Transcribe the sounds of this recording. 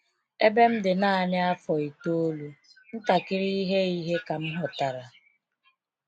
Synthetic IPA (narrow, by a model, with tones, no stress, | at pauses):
e˦be˦m̩˦dɪ˨na˦˨nɪ˦a˦fɔ˨i˨to˦o˦lu˦n̩˦ta˨kɪ˦ɾi˦ɦe˦i˦ɦe˦ka˨m̩˦ɦɔ˨ta˨ɾa˨